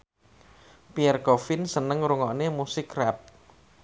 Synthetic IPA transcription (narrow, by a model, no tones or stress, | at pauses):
piɛrɡofɪnsənəŋɾuŋɔʔnemusɪkrɛp̚